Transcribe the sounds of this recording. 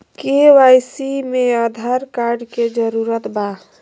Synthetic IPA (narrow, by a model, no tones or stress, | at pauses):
keʋajsimead̪ʱaɾkaɾɖked͡ʒəɾuɾət̪ba